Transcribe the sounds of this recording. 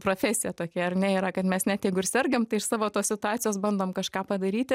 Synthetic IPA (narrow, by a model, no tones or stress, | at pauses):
pɾoːfʲɛːsʲɪjɛt̪oːkʲɛɐrnʲɛiːɾɐkɐt̪mʲɛsnʲæt̪jɛɪɡʊɪɾsʲɛrʲɡʲɛmt̪ɐɪɪʃsɑːʋoːt̪oːssʲɪt̪ʊɑːt͡sʲsʲɪjoːsbɐnd̪oːmkɐʃkɑːpɐd̪ɐɾʲiːt̪ʲɪ